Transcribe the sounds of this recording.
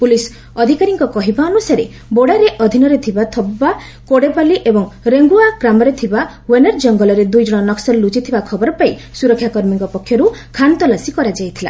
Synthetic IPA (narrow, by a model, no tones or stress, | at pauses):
pulis | ɔd̪ʱikaɾiŋkɔkɔɦibaɔnusaɾe | boɽaɾeʔɔd̪ʱinɔɾet̪ʰibat̪ʰɔbːa | koɽepaliʔebɔŋɾeŋɡuakɾamɔɾet̪ʰiba | weneɾd͡ʒɔŋɡɔlɔɾed̪ujd͡ʒɔɽ̃ɔnɔksɔɾlut͡ʃit̪ʰibakʰɔbɔɾɔpaisuɾɔkʰːjakɔɾmiŋkɔpɔkʰːjɔɾukʰant̪ɔlasikɔɾad͡ʒajt̪ʰila̰